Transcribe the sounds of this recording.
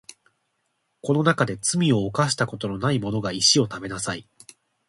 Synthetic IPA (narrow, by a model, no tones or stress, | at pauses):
ko̞no̞nakad̪e̞t͡sɨmʲio̞ːkaɕi̥t̪ako̞t̪o̞no̞naimo̞no̞ɡaiɕio̞t̪abe̞nasai